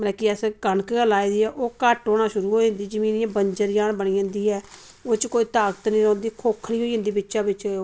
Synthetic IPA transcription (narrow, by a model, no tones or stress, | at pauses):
mlɛːkiɛskənkəlaːiːd̪iːɛːʔoːkəʈoːɽaːʃʊɾuːɦoːiə̃nd̪iːd͡ʒəmiːnɪjãːbəɲd͡ʒəɾjaːnbəɽiːə̃ːnd̪iːɛː | oːt͡ʃkoːiːt̪aːɡət̪nĩːɾɔ̃ːnd̪iːkʰoːkʰːɽiːɦoːiɦə̃nd̪iːbɪtːʃaːbɪt͡ʃ